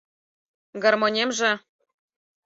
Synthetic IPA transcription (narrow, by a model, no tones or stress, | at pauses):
ɡɑrmonʲemʒɘ̆